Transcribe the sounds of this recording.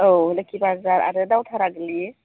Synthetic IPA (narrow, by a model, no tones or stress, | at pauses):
owləkʰibazaɾa̰ɾɯdawtʰaɾaɡli